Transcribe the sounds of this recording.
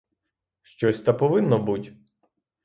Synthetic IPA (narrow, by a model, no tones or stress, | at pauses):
ʃt͡ʃɔsʲt̪ɐpɔʋɪnːɔbutʲ